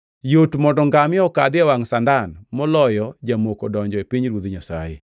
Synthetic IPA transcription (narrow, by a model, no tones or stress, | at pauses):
jotmɔdɔŋɡamɪɔkad̪ɪawaŋsandanmɔlɔjɔd͡ʒamokodɔɲd͡ʒɔepiɲɾwod̪ɲasa̰jḛ